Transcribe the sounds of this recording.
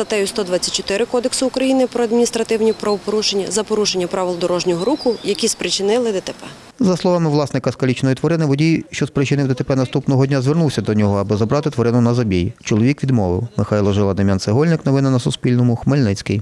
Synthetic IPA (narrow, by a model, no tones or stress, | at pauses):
zɐt̪ɛjʊst̪ɔd̪ʋat͡sʲɐ̥t̚ʲt͡ʃːɔ̥t̪ɪɾɪkɔd̪eksʊːkɾɐjinɪpɾɔɐd̪mʲinʲist̪ɾɐt̪ɪwnʲipɾɔʋɔpɔɾuʃenʲːɐzɐpɔɾuʃenʲːɐpɾaʋɪlˠd̪ɔɾɔʒnʲɔɦɔɾukʊjɐkʲispɾɪt͡ʃɪnɪlˠɪd̪et̪epɛ | zɐslˠɔʋɑmɪʋlˠɑsnɪkɐskɐlʲit͡ʃnɔjit̪ʋɔɾɪnɪʋɔdʲijʃt͡ʃɔspɾɪt͡ʃɪnɪwd̪et̪epɛnɐst̪upnɔɦɔdʲnʲazʲʋernuwsʲɐd̪ɔnʲɔɦɔɐbɪzɐbɾɑt̪ɪt̪ʋɔɾɪnʊnɐzɐbʲijit͡ʃɔlˠɔʋʲikʋʲid̪mɔʋɪ̰wmɪxɑjlˠɔʒɪlˠɐd̪ɪmʲjanseɦɔlʲnɪknɔʋɪnɐnɐsʊspʲilʲnɔmʊxmelʲnɪt͡sʲkɪj